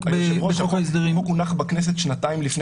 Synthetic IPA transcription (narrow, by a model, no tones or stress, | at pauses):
boʃoisd̪eʁimkunaχbaknes̬et̪ʃnataimlifne